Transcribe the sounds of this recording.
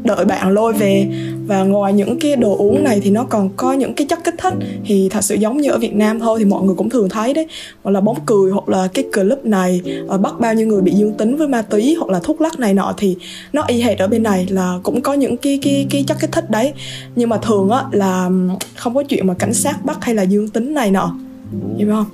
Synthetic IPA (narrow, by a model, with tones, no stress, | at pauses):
ɗə̰ː˧˩jɓa̰ː˧˨nlo˧jve˨˩vaː˨˩ŋwa˨˩jɲɨ̰˧˥ŋkaː˨˦jɗo˨˩ʔu˨˦əŋna˨˩jt̪ʰi˨˩nɔ˨˦kɔ˨˩nkɔ˨˦ɲɨ̰˧˥ŋkaː˨˦jt͡ɕə˦˥t̚kːi˦˥k̟̚t̪ʰï˦˥k̚t̪ʰi˨˩t̪ʰə˨˩t̚sɨ̰˧˩zə˨˦wŋ͡mɲɨ˧ʔəː˧˩vi˨˩ət̚naː˧mt̪ʰo˧jt̪ʰi˨˩mɔ̰˧˨jŋɨ˨˩əjkʊ̰˧˥ŋ͡mt̪ɨ˨˩əŋt̪ʰə˨˦jɗə˨˦ | hw̚laː˨˩ɓa˨˦wŋ͡mkɨ˨˩əjɦwa˨˩k̚laː˨˩kaː˨˦jkɨ˨˩əlɨ˦˥p̚na˨˩jʔəː˨˩ɓa˦˥t̚ɓaː˧wɲi˧wŋɨ˨˩əjɓḭ˧˨zɨ˧əŋt̪ï˨˦ŋ̟vəː˨˦jmaː˧t̪wi˨˦hwa˨˩k̚laː˨˩t̪ʰʊ˦˥k̚la˦˥k̚na˨˩jnɔ̰˧˥t̪ʰi˨˩ | nɔ˨˦ʔi˧ɦe˦˥t̚ʔəː˧˩ɓe˧nːa˨˩jlaː˨˩kʊ̰˧˥ŋ͡mkɔ˨˦ɲɨ̰˧˥ŋkaː˨˦jkaː˨˦jkaː˨˦jt͡ɕə˦˥kːi˦˥k̚t̪ʰï˦˥k̚ɗə˨˦jɲɨ˧ŋmaː˨˩t̪ʰɨ˨˩əŋʔaː˨˦laː˨˩xə˧wŋ͡mkɔ˨˦t͡ɕwḭ˧˨ənmaː˨˩ka˧˩jŋ̟saː˦˥t̚ɓa˦˥t̚ha˧jlaː˨˩zɨ˧əŋt̪ï˨˦ŋ̟na˨˩jnɔ̰˧˥ | za˧˨˦hə˧wŋ͡m